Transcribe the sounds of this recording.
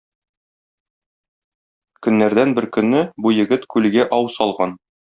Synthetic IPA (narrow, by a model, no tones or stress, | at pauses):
kɵ̆nːæɾd̪ænbɘɾkɵ̆nːɘbujɘ̆ɡɘt̪kʉlɡæʔɒwsɒlˠʁɑn